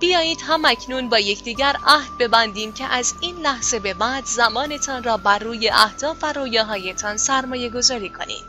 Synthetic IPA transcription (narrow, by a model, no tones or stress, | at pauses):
b̥ijɒːjiːd̪̥ɦæmæcʰnuːnbɒːjecʰd̪iːɟæɾæhd̪̥̚be̞bænd̪iːmcʰe̞ʔæziːnlæhz̥e̞be̞bæːd̪zæmɒːne̞t̪ʰɒːnrɒːbærːuːje̞ʔæhd̪̥ɒːfæɾoːjɒːɦɒːjet̪ʰɒːnsæɾmɒːje̞ɡo̞zɒːɾiːkʰo̞̰nḭːd̪̥